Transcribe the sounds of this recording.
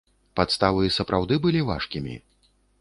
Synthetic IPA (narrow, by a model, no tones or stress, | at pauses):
pat̪st̪avɨsɐpɾʔawd̪ɨbɨlʲiva̰ʂkʲimʲḭ